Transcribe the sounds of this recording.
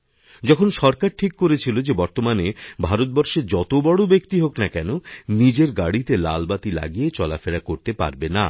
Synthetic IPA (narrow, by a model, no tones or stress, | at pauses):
d͡ʑɔkʰonʃɔɾkaɾʈʰikːoɾet͡ɕʰilod͡ʑebɔɾt̪omanebʱaɾot̪̚bɔɾʃeɾd͡ʑɔt̪obɔɽobekt̪iɦoknakɛnonid͡ʑeɾɡaɽit̪ela̰lbat̪ila̰ɡiet͡ɕɔlafeɽakoɾt̪epa̰ɾbena̰